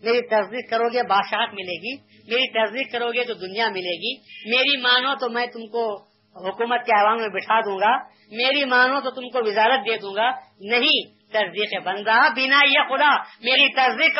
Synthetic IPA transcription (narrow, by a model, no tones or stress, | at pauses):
meːɾit̪ɐɾd̪iːqkɐɾoːɡebaːd̪ʃaːkmɪleːɡiː | meːɾit̪ɐɾziːqkɐɾoːɡet̪od̪ʊnijamɪleːɡiːmeːɾimaːnõt̪omɛ̃ːt̪ʊmko | ɦʊkuːmət̪̚keaːʋaːnmẽbɪʈʰaːd̪ũːŋɡaː | meːɾimaːnõt̪ot̪ʊmkoʋɪzaːɾət̪̚d̪eːd̪ũːŋ̆ɡanɐɦĩ | t̪ɐɾd̪iːqebɐ̃nd̪aːbɪnaːijexʊd̪aːmeːɾit̪ɐɾd̪iːq